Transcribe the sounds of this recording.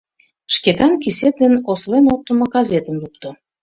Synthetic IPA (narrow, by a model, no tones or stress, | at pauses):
ʃket̪ɑnkiset̪̚d̪enoslenok̚t̪əmoɡɑzet̪əmlukt̪o